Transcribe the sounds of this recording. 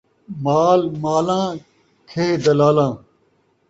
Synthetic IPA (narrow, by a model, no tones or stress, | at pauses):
maːlmaːlãː | kʰeːd̪ɐlaːlãː